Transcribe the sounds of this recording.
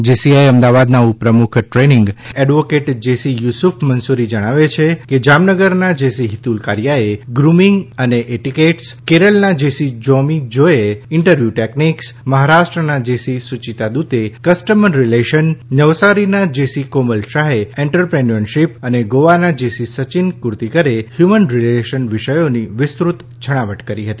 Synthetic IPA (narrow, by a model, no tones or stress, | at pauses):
d͡ʒesiajəmd̪aʋad̪naupɾəmukʰʈɾeniŋɡɛɖʋokeʈd͡ʒesijusufʰmənsuɾid͡ʒəɽ̃aʋet͡ʃʰeked͡ʒamnəɡəɾnad͡ʒesiɦit̪ulkaɾjaeɡɾumiŋɡəneʔeʈikeʈskeɾəlnad͡ʒesid͡ʒɔmid͡ʒoeɪɳʈəɾʋjuʈekniksməɦaɾaʃʈɾənad͡ʒesisut͡ʃit̪ad̪ut̪ekəsʈəməɾɾileʃənnəʋsaɾinad͡ʒesikoməlʃaɦeeɳʈəɾpɾenənʃipəneɡoʋanad͡ʒesisət͡ʃinkuɾt̪ikəɾehjumənɾileʃənʋɪʃəjoniʋɪst̪ɾut̪ | d͡ʒʱəɽ̃aʋəʈkəɾiɦət̪i